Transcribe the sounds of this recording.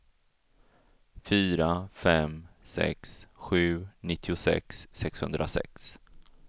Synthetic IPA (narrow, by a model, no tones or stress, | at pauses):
fyːɾafɛmsɛ̰ksɧʉ̟ːnɪt̪ʰːɪʊsɛ̰ksːɛkshɵ̰nd̪ɾʔa̰sɛ̰ks